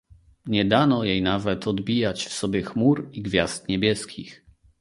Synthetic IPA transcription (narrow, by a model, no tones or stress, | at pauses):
ɲɛd̪anɔjejnavɛt̪ɔd̪bʲijat͡ɕfsɔbʲjɛxmuɾiɡvʲjast̪ɲɛbʲjɛskʲḭx